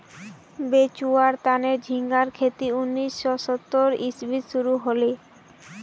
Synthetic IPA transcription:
bet͡ɕuaɾt̪aneɾd͡ʑʱiŋɡaɾkʰet̪iunːisːɔsɔt̪ːoɾisbʱit̪ʃuɾuɦole

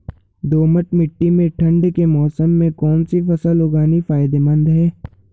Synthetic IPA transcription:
d̪oːməʈmɪʈːimẽʈʰɐ̃ɳɖkemɔːsəmːẽkɔːnsifɐsəlʊɡaːnifaːɪd̪emɐ̃nd̪ɦɛː

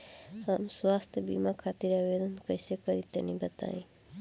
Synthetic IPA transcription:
ɦamswast̪ʰjəbḭmakʰat̪iɾaʋed̪ənkəisekəɾit̪ḛnibət̪a̰ĩ

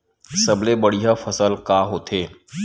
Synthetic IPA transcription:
sɐblebəɽiɦafɐsəlkaːɦoːt̪ʰeː

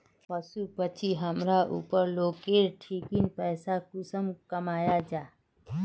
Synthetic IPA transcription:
pəsupət͡ʃʰiɦəmɾaʔṵːpəɾloːkeɾʈʰiːkinpɛːsakʊsəmkəmaːjad͡ʒaː

